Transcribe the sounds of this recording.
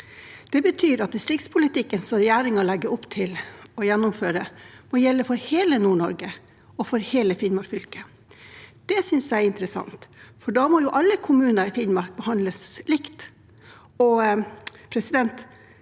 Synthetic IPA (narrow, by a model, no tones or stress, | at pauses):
d̪̥ɛbət̪ʰyːɾɑt̪̚d̪ɪst̪ɾɪkt̪spʰʊlɪt̪ɪkːənsɔɾɛjæːɾɪŋɑɭɛɡəʔɔpt̪ʰɪlɔjɛnːʊmføːɾəmɔjɛlːəfɔɾheːlənuːɳɔ̰ɾɡə | ɔfɔɾheːləfɪnmɑɾfʏlkə | d̪̥ɛsʏnsjæɪɾɪnt̪ɾəsɑ̰nt̪fɔɖɑmɔjʊʔɑlːəkʰʊmʉːnəɾɪfɪnmɑɾk̚bəhɑnd̪ləslɪkt̪ | ɔ | pʰɾɛsɪd̪ɛnt̪